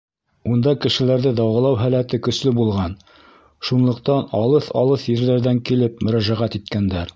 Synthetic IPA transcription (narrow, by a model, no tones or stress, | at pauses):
und̪ɑkɘ̆ʃɘ̆læɾðɘd̪ɑwʁɤ̆lˠɑwɦælæt̪ɘkɵ̆slɘbulˠʁɑn | ʃunlˠɤ̆qt̪ɑnɑlˠɤθɑ̰lˠɤθjɘ̆ɾðæɾðæŋkilɘpmɵ̆ɾæʒæʁæt̪it̪̚kænd̪æɾ